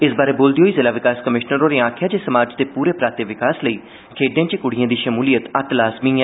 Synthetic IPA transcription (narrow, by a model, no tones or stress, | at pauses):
ɪsbaːɾeːboːld̪iːɦoːiːzɪlaːʋɪkaːskəmɪʃnəɾoːneːaːkʰɪjaːd͡ʒeːsəmaːd͡ʒd̪eːpuːɾeːpɾaːt̪eːʋɪkaːsləiː | kʰeːɖjãːt͡ʃekʊɽɪjãːd̪iːʃəmuːlijət̪ət̪laːzmĩː